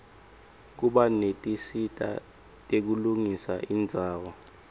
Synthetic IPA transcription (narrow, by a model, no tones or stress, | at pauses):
k̬uɓanetʼisitʼa̰ | tʼek̬uluŋisaʔind͡zʱaːwɔ